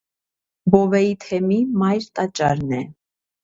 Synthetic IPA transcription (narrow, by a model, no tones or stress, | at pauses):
bɔvɛit̪ʰɛmimɑjɾt̪ʼɑt͡ʃʼɑɾnɛ